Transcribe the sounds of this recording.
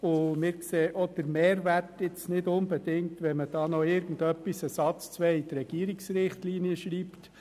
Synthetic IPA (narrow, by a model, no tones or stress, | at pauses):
ʊmɪːɾkseːʔɔd̥əɾmeːɾʋærtɪt͡snɪdʊnbɛdɪŋt̪ʋɛməd̥ɑːnɔɪɾɡ̥ən̩dœpːisəsɑt͡st͡sʋɛit̪ɾɛɡ̥iːɾiksɾɪχtliːniəʃɾiːpt